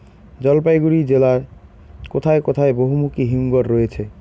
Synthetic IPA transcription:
d͡ʒʌlpajɡuɾid͡ʒela | kot̪ʰajkot̪ʰaejboɦumukiɦiŋɡɔɾːoet͡ʃʰe

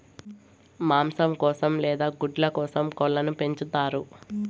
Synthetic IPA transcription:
maːmsɐmkɔːsɐmlɛːd̪aːɡuɖlɐkɔːsɐmkɔlːɐnupe̞ɲt͡ʃut̪aːɾu

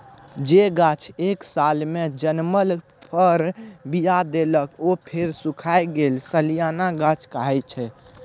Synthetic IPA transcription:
d͡ʒeɡat͡ʃʰeksalmed͡ʒənməl | pʰəɾbijad̪eləkopʰeɾsukʰajɡelsəlijanaɡat͡ʃʰkaɦɛt͡ʃʰɛ

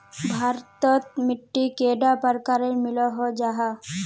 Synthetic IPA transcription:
bʱaɾt̪ɔt̪miʈːikeɖapaɾkaɾeɾmilɔɦod͡ʒaɦa

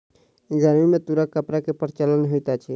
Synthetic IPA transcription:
ɡaɾmimẽt̪uɾakəpɾakepəɾt͡ʃələnɦojt̪at͡ʃʰɛ

